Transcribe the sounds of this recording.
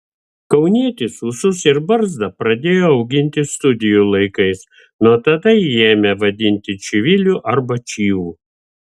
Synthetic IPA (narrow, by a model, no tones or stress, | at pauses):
kɐʊnʲiɛt̪ʲɪsuːsʊsɪɾbɐɾzd̪ɐpɾɐd̪ʲeːjoːɐʊɡʲɪnʲt̪ʲɪst̪ʊd̪ʲɪjuːlˠɐɪkɐɪs | nuɔt̪ɐd̪ɐieːmʲɛʋɐd̪ʲɪnʲt̪ʲɪt͡ʃʲɪʋʲɪlʲuʔɐɾbɐt͡ʃʲiːʋuː